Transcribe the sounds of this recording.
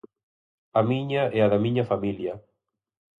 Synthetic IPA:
ɐmiɲaɛaðɐmĩɲɐfamiljɐ

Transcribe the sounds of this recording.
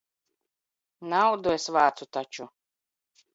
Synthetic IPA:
nawd̪uɛsvaːt̪sut̪at͡ʃu

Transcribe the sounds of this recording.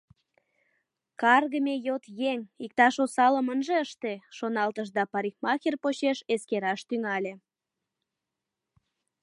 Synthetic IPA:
kɑrɣəmejot̪jeŋik̚t̪ɑʃosɑləmənʒeəʃt̪eʃonɑlt̪əʃd̪ɑpɑɾixmɑxʲirpot͡ɕeʃeskeɾɑʃt̪yŋɑlʲe

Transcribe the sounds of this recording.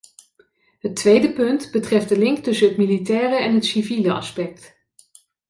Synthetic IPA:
ɦətʋejdəpɵntbətrɛft̚dəlɪŋktɵsənɦətmilitɛːrəɛnɦətsiviləɑ̰spɛk̚t

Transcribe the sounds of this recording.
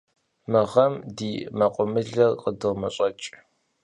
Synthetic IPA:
mɨʁɐmdiːmɐqʷʼʊmɨɮɐrqədɨʁmɐɕʼɐt͡ʃʼ

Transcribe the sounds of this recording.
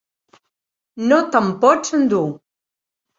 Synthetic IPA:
not̪əmpɔt͡sənd̪u

